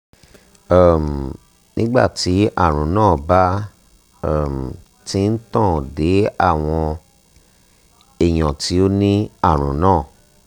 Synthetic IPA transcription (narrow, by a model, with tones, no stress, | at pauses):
a˦˨m˨ | nĩ˦ɡ͡ba̰˦˨ti˨˦a̰˦˨ɾ̃ũ˨nãː˦˨ba˦˨ | m˨ | ti˦n̩˦tã˦˨de˨˦a̰˦˨w̃ɔ̃˧ | e˦˨j̃ɔ̃˨ti˨˦o˦nĩ˦a˦˨ɾ̃ũ˨nãː˦˨